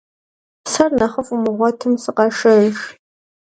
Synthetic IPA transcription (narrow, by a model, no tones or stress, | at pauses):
sɐrnɐχəfumɨʁʷɔtʰɨmsɨqɑʂɐʃ